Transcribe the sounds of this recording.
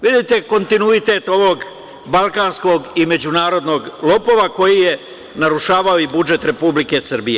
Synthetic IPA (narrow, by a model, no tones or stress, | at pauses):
ʋid̪it̪e̞ko̞nt̪inuit̪e̞t̪o̞ʋo̞ɡ | balˠkaːnsko̞ɡime̞d͡ʑunaːɾo̞d̪no̞ɡlˠo̞po̞ʋako̞jije | naɾuʃaːʋaoibud͡ʒe̞t̪ɾe̞publike̞sr̩bije